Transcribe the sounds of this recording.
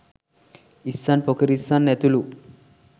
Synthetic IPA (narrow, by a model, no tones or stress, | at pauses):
isːanpokɐɾisanːet̪ulu